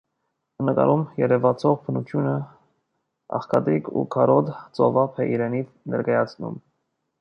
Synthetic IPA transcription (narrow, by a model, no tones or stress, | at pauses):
nəkɑ̰ɾʔumjɛɾɛvɑt͡sʰɔʁpʰənut̪ʰjunə | ɑ̰χkʰɑd̪ɾikʰṵkʰɑɾɔd̪t͡sɔvɑpʰɛʔiɾɛnit͡s | nɛ̰ɾkɑjɑt͡sʰnṵm